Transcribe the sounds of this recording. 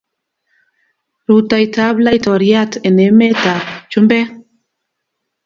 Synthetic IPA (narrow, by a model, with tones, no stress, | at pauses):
ɾu˨ta˨i˨ta˦bla˦itɔ˨ɾia˦te˨nɛ˨˦mɛ˦ta˨bt͡ʃu˦mbɛ˦